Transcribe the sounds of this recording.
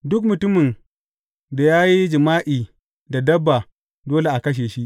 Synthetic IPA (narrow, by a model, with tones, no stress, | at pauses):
dʊ˦k̬̚mʊ˨tʊ˦mɪ˨n | da˨jaː˦ji˦d͡ʒɪ˨maː˦ʔiː˨ | da˨dɐ˦bːa˨ | doː˦le˨ʔa˨kɐ˦ʃ̬eː˨ʃi˦ʔ